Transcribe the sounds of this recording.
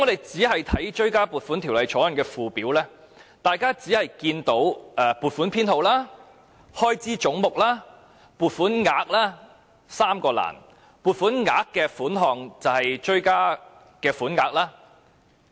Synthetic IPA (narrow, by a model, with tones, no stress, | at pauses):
ŋɔ˨˧d̪e˨jt͡siː˨˥ɦɐ˨jt̪ʰɐ˨˥jt͡ʃɵ˥ɥkaː˥puː˨t̚fuː˨˥nt̪ʰi˨˩wlɐ˨jt͡ʃʰɔː˨˥jɐ˨nkɛː˧fuː˨˧piː˨˥wlɛː˥ | t̪aː˨jkaː˥t͡siː˨˥hɐ˨jkiː˧nt̪o˨˥wɛː˧puː˨t̚fu˨˥npʰiː˥nt̪ʰo˨wlaː˥ | hɔː˥jt͡siː˥t͡ʃʊ˨˥ŋmʊ˨k̚laː˥ | puː˨˩t̚fuː˨˥nŋaː˨˧˥k̚laː˥ | saː˥mkɔː˧la̰ː˨˩n | puː˨˩t̚fuː˨˥nŋa̰ː˨˥kːɛː˧fuː˨˥nɦɔː˨ŋt͡sɐ˨˩whɐ˨jt͡ʃɵ˥ɥkaː˥ | kɛː˧fuː˨˥nŋaː˨˧˥k̚laː˥